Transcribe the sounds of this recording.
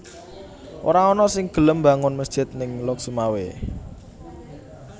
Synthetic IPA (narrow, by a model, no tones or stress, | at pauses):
ʔo̰ɾaɔnɔsɪŋɡ̥ə̤ləmba̤ŋʊnməsd̥ʒ̥ɪ̤t̪̚nɪŋlɔksumawe